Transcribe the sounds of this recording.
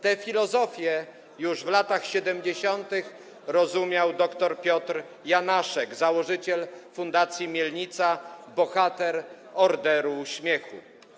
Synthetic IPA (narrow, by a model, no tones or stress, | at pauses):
t̪ɛfʲilɔzɔfʲjɛ | juʐvlat̪axɕɛd̪ɛmd͡ʑeɕɔnt̪ɘx | ɾɔzumʲjawd̪ɔkt̪ɔɾpʲjɔt̪ɾ | janaʂɛɡzawɔʐɘt͡ɕɛlfund̪at̪sʲjimʲjɛlɲit̪sabɔxat̪ɛɾ | ɔɾd̪ɛɾuɕmʲjɛxṵ